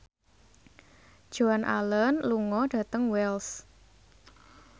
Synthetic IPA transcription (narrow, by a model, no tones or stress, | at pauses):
d̥ʒ̥ɔanʔa̰lənluŋɔɖ̥ä̤t̪əŋwɛls